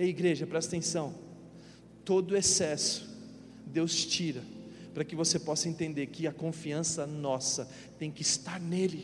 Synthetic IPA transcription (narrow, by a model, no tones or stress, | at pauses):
eiɡɾeʒɐpɾɛsɐt̪ẽsɐ̃w̃ | t̪od̪ʊesɛsʊ̥ | d̪ewst͡ʃiɾɐ | pɾɐkɪvosepɔsɐẽnt̪ẽnd̪eɾkɪɐkõfiɐ̃sɐnɔsɐ | t̪ẽj̃kɪist̪aɾnelɪ